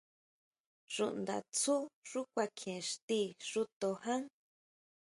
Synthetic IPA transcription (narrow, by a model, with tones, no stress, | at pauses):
ʐṵ˧ʔnd̪a̰˨t͡su˦ʐu˦kʷa˧kʰẽ˨ʂt̪i˧ʐu˧t̪o˧hã˦ŋ